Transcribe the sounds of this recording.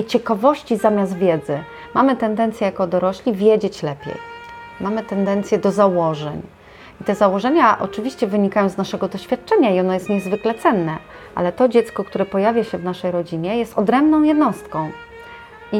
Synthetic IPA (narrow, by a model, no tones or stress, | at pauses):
t͡ɕɛkavɔɕt͡ɕizamʲjast̪vʲjɛd̪zɘ | mʔamɘt̪ɛnd̪ɛnt̪sʲjɛjakɔd̪ɔɾɔɕlʲivʲjɛd͡ʑet͡ɕlɛpʲjḛjmamɘt̪ɛnd̪ɛnt̪sʲjɛd̪ɔzawɔʐɛ̰ɲ | it̪ɛzawɔʐɛɲaʔɔ̰t͡ʂɘvʲiɕt͡ɕɛvɘɲikajɔ̃w̃znaʂɛɡɔd̪ɔɕfʲjat̪̚t͡ʂɛɲaiɔnɔjɛst̪ɲɛzvɘklɛt̪sɛnːɛ | ʔa̰lɛt̪ɔd͡ʑɛt̪skɔkt̪uɾɛpɔjavʲjaɕɛvnaʂɛjɾɔd͡ʑiɲɛjɛst̪ɔd̪ɾɛmbnɔ̃w̃jɛd̪nɔst̪kɔ̃w̃ | i